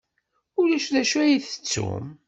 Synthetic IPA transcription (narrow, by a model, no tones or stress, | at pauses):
ʊɾæʃðæʃæjiθə̥t͡sːṵm